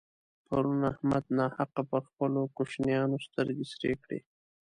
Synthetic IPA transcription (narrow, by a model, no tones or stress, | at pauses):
paɾunahmad̪̚nɑhaqapəɾxpəlokoʃnjɑnost̪əɾɡisɾekɽḛ